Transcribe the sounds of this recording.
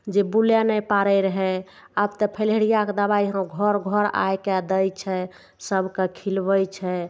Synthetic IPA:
d͡ʒebuljanɛpaɾɛɾəɦɛ | əbt̪əpʰəleɽijaked̪əβaiɦə̃ɡʱɔɾɡʱɔɾa̰jked̪əjt͡ʃʰɛ | səbkekʰilbəjt͡ʃʰɛ

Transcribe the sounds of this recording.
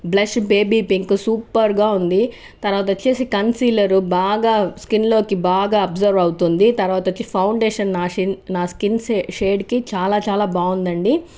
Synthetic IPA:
blɐʃbe̞ːbiːpiŋksuːpɐɾɡaːund̪i | t̪ɐɾʋaːt̪ɐt͡ʃeːsikɐnsiːlɐɾubaːɡaːskinlo̞ːkibaːɡaːɐbzɐɾʋɐwt̪und̪it̪ɐɾʋaːt̪ɐt͡ʃepʰɐwɳɖeːʃɐnːaːinnaːskinseʃeːɖkit͡ʃaːlaːt͡ʃaːlaːbaːund̪ɐɳɖi

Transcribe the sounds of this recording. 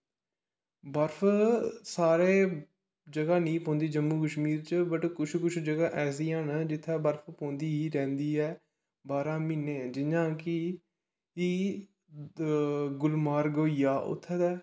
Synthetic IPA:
bəɾpʰsaːɾeː | d͡ʒəɡaːnĩːpõːnd̪iːd͡ʒəmːuːkəʃmiːɾt͡ʃəbəʈkʊt͡ʃʰkʊt͡ʃʰd͡ʒəɡaːʔɛːs̬iːɦaːnd͡ʒɪt̪ʰːaːbəɾfʰpõːnd̪iːɦiːɾɛ̃ːnd̪iːɛː | baːɾãːmiːnẽːd͡ʒɪɲãːkɪ | i | ɡʊlmaːɾɡoːijaːʔʊ̰t̪ʰːɛːd̪ɛː

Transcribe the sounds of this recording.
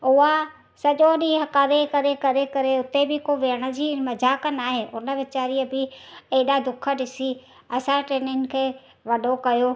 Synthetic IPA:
ʊɦa | sɐʄoɗiɦɐkaːɾekɐɾekɐɾekɐɾeʊt̪ebɪkoʋeəɽ̃ə̆d͡ʑiːmɐd͡ʑʱaːkənaːɦeːʊnə̆ʋɪt͡ɕaːɾiəbɪeːɗad̪ʊkʰə̆ɗɪsi | ɐsãʈɾeːnjən̆kʰeː | ʋɐɗ̤ʱokɐjoː

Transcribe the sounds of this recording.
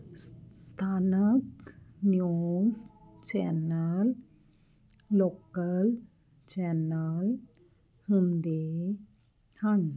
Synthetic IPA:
st̪ʰanək̚njust͡ɕɛnəl | okəl | t͡ɕɛnəl | hund̪e | hãŋ

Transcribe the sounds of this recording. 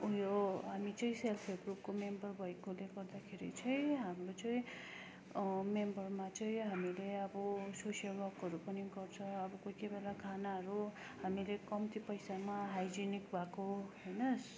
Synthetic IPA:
ujoɦamit͡sʌĩselpʰeɡrup̚komembʌrbʱʌjkoleɡʌrd̪akʰeɾḭt͡sʰʌj̃ɦamrot͡sʌĩ | membʌrmat͡sʌĩɦamileʌbʌsosjʌlwʌrkʌɾupʌniɡʌrt͡sʰʌ̃ʌbʌkokebelakʰanaɦʌɾu | hamilekʌmt̪ipʌjsamaɦajd͡zinikbʱakoɦʌjnʌs

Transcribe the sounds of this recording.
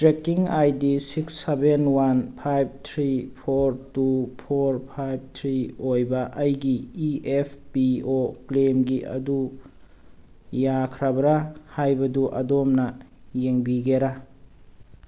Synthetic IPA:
tɾekiŋajdisiksːebenwanpʰajb̚tʰɾipʰoɾtupʰoɾpʰajb̚tʰɾiojbɐʔɐjɡiːepʰpioklemɡiʔɐ̰du | jakʰɾabɐɾahajbɐduʔɐ̰domnɐ | jeŋbiɡeɾa

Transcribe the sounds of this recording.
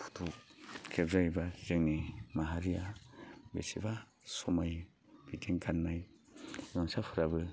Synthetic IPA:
pʰu̥tʰukkʰebzajbazɯŋnimaɦaɾijabḛsiba | sɔmaj | b̥itʰiŋkʰanmaj | nɔŋsapʰɯɾabɯ

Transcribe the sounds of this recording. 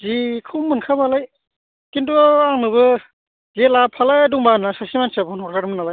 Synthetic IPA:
zikʰɯmɯnkʰabalaj | kintuaŋnɯbɯ | zelapʰalajduŋbanasasimansabɔnɔɾkʰaɾɯmɯnalaj

